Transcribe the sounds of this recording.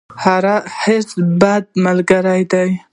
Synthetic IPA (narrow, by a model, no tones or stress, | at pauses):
haɾahesbad̪̚malɡaɾajd̪aj